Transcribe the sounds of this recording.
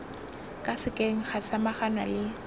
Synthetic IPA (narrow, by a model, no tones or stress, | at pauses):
kʼasɪkʼeŋ̩χasamaχanwalɪ